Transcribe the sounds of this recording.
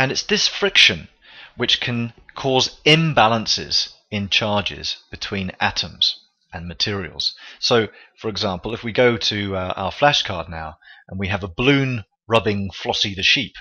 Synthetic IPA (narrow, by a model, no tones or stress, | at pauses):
ɨ̃nɨtsðɪsfɹɪkʃɨ̃n | wɨt͡ʃkʰɨ̃nkʰɔzɪ̃mbælˠə̃nsɪ̰z̥ɪ̃nt͡ʃʰɑɹd͡ʒɪ̰z̥b̥ɨtʰw̥ĩnæ̰ɾə̃mz̥ | ə̃nmɨtʰɪɹiə̰l̩ˠz̥soʊfə˞ɨɡzɑ̃mpəl̩ˠɨfwiɡoʊtʰɨʔa̰ʊə˞flæʃkʰɑɹdⁿnaʊʔə̃nwiɨvəblʉ̃n | ɹʌbɪ̃ŋflɒɾiðɨʃip